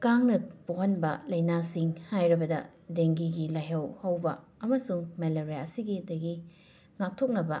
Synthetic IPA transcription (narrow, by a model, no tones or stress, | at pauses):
kaŋnɐpoɦɐnbɐlɐjnasiŋhajɾɐbɐdɐ̰ | deŋɡiɡilajɦɐwhɐwbɐ | ɐmɐsuŋmeleɾijaɐsiɡidɐɡi | ŋak̚tʰok̚nɐbɐ